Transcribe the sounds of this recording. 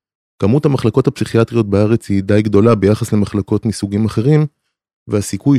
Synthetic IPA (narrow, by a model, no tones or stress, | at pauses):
kamuthamaχlako̞thapsiχiatʁijo̞t̚beaʁe̞t͡shidajɡd̪o̞labe̞jaχasle̞maχlako̞tmisuɡimaχe̞ʁim | veasikuj